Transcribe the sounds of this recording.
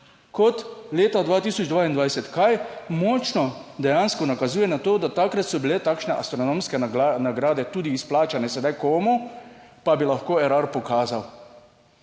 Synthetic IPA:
kɔt̪leːt̪ad̪ʋaːt̪iːsɔd͡ʒd̪ʋaːind̪ʋajsɛt̪kajmɔːt͡ʃnɔd̪ɛjanskɔnakazuːjɛnat̪oːd̪at̪akɾat̪sɔbilɛt̪aːkʃnɛʔa̰st̪ɾɔnoːmskɛnaɡɾaːd̪ɛt̪uːd̪iːsplaːt͡ʃanɛsɛd̪ajkoːmupabilaxkoːɛɾaɾpɔkaːzaw

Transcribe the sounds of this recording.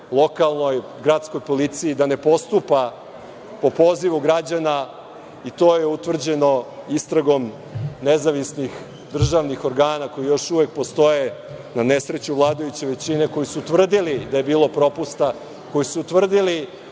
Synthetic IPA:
lˠo̞kalˠno̞j | ɡɾat̪sko̞jpo̞lit̪sijid̪ane̞po̞st̪upa | po̞po̞ziʋuɡɾad͡ʑana | it̪o̞jeut̪ʋr̩d͡ʑe̞no̞ist̪ɾaɡo̞m | nezaʋisnix | d̪r̩ʒaʋnixo̞ɾɡaːnako̞jijo̞ʃuʋje̞k̚po̞st̪o̞je | nane̞sɾe̞t͡ɕuʋlˠaːd̪ojut͡ɕeʋe̞t͡ɕine̞ko̞jisut̪ʋr̩d̪ilid̪aje̞biːlˠo̞pɾo̞pust̪a | ko̞jisut̪ʋr̩d̪ili

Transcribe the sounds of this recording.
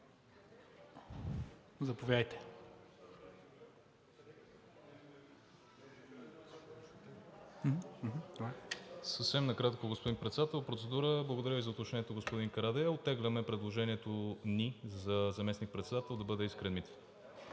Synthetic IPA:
zɐpovʲjajt̪ɛ̥ | səfsɛmnɐkɾat̪koɡospod̪inpɾɛt̪sɛd̪at̪ɛlˠpɾot̪sɛd̪uɾəblˠəɡod̪ɐɾʲjəvizɐot̪ot͡ʃnɛnɛt̪oɡospod̪inkɐɾad̪ɛaot̪ːɛɡlʲəmɛpɾɛd̪lˠoʒɛniɛt̪onizɐzɐmɛsnik̚pɾɛt̪sɛd̪at̪ɛlˠd̪ɐbɤd̪ɛiskɾɛnmit̪

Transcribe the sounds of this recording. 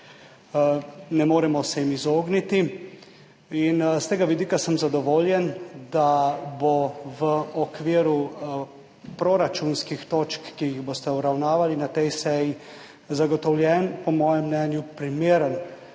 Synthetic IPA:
nɛmoːɾɛmɔsɛjimizoːɡnit̪i | inst̪eːɡaʋid̪iːkasəmzad̪ɔʋoːljɛnd̪aboʋəɔkʋiːɾu | pɾoɾat͡ʃunskixt̪oːt͡ʃkːijiɣboːst̪ɛuɾawnaːʋalinat̪ɛjsɛji | zaɡɔt̪ɔwlʲjɛːnpɔmɔːjɛmːnɛːnjupɾimeːɾən

